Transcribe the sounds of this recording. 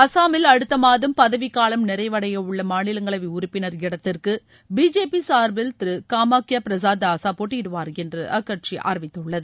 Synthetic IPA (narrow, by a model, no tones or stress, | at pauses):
ɐsaːmɪlɐɽɯt̪ːɐmaːðɯmpɐðɐʋɪkːaːlɐmnɪɾɐɪʋɐɽɐjɐɯɭːɐmaːnɪlɐŋɡɐɭɐʋɐʊɾɪpːɪnɐɾɪɽɐt̪ːɪrkɯ | biːd͡ʒeːpisaːɾbɪlt̪ɪɾɯkaːmaːkɪjaːpɪɾɐsaːd̪ɐɐsaːpoːʈːɪɪɽɯʋaːɾɛndrɐʔɐkːɐʈ̚t͡ʃiʔa̰ːɾɐʋɪt̪ːɯɭːɐðɯ